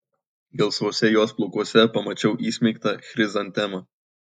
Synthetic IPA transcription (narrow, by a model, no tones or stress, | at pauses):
ɡʲɛlˠsʋoːsʲɛjoːsplˠʊkuɔsʲɛpɐmɐt͡ʃʲɛʊʔiːsʲmʲɛɪkt̪ɐxʲɾʲɪzɐnʲt̪ʲɛmɐ